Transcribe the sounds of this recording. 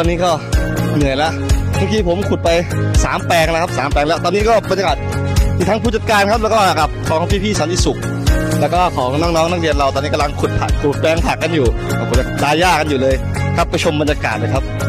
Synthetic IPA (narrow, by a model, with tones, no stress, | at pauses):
t̪ɔː˧nːiː˦˥kɔː˥˩nɯ˨˩əjlɛ˦˥ʔmʰaː˧ŋkiː˧pʰo˩˦mkʰu˨˩t̪̚pa˧jsaː˩˦mpɛː˧ŋlkʰa˦˥p̚saː˨˩˦mplɛː˧ŋlɛ˦˥wt̪ɔː˧nːiː˦˥kɔː˥˩bnja˧kaː˨˩t̪̚ʰiː˨˩t̪ʰa˦˥pʰuː˥˩t͡ɕa˨˧t̪̚kaː˧nkʰa˦˥p̬̚lɛː˦˥kɔː˥˩˨ka˨˩p̚kʰɔː˨˦ɔ˦piː˥˩iː˥˩sa˨˦nt̪ʰi˧˩su˨˩k̚ | lɛː˦˥wkɔː˥˩kʰɔː˩˦ŋnɔː˥˩ŋnɔː˦˥ŋna˥k̚ɾi˧ənɾa˧wt̪ɔː˧nːiː˦˥ka˧mla˧ŋkʰu˨˩t̪̚pʰa̰˨˩kʰu˨˩t̪̚pɛː˧ŋpʰaː˨˩k̚ːa˧njuː˨˩kʰɔ˧˩pʰːo˩˦a˧˩ɾaː˧jaː˥˩ka˧njuː˨˩lɤː˧j | kʰa˦˥pːa˧jt͡ɕʰo˧mba˧njaː˧ka̰ː˨˩t̪̚lɤː˧jkʰa˦˥p̚